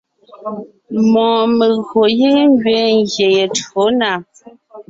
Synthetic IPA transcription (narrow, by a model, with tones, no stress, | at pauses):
mɔ̃ː˨mə˨ɣo˨je˦ŋ˦ɡɥe˨˦ŋ˦ɡje˨je˨to˨˦na˨